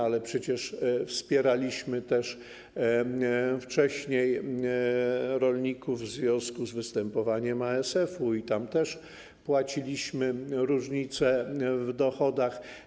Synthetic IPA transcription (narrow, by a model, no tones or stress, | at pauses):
alɛpʂɛt͡ɕɛʂfspʲjɛɾalʲiɕmɘt̪ɛʂ | ft͡ʂɛɕɲej | ɾɔlʲɲikuvːzvʲjɔ̃w̃skuzvɘst̪ɛmpɔvaɲɛmaɛsɛfuit̪amt̪ɛʂ | pwat͡ɕilʲiɕmɘɾuʐɲit̪sɛvd̪ɔxɔd̪ax